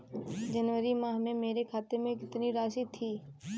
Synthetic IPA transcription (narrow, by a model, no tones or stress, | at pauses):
d͡ʒɐnʋəɾimãːɦmẽmeːɾekʰaːt̪emẽkɪt̪niɾaːʃit̪ʰiː